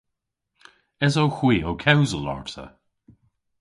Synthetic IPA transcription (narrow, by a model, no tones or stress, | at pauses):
ɛzowxwiːowkʰɛwzəlɔ̰ɹtʰə̰